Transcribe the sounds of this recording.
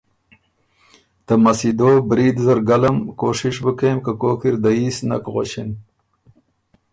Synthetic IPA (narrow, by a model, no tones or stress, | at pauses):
t̪amɐsid̪oːbɾid̪zɐɾɡalɐmkoːʂiʂbəkeːmkakoːkiɾd̪aisnɐ̰kɣo̰ɕin